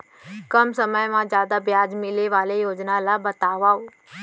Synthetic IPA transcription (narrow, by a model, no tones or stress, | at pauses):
kəmsəməjmãd͡ʒjaːd̪abjaːd͡ʒmɪleʋaːlejoːd͡ʒnalabət̪aːʋaːoː